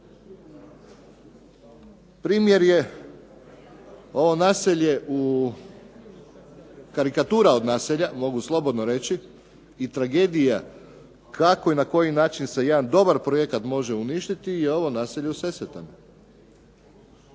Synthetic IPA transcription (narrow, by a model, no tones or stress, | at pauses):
pɾiːmje̞ɾje̞ | o̞ʋo̞naːseʎe̞ʔu | kaɾikat̪uːɾao̞d̪naːseʎamo̞ɡuslˠo̞bo̞d̪no̞ɾe̞t͡ɕi | it̪ɾaɡe̞ːd̪ija | kʰako̞inako̞jinaːt͡ʃinse̞je̞d̪and̪o̞baɾpɾoje̞kat̪mo̞ʒe̞uniʃt̪it̪ijeo̞ʋo̞naːseʎeuse̞set̪ano